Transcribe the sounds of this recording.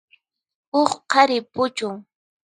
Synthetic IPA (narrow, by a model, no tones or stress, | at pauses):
oχqʰɑɾɪpʊt͡ʃʊŋ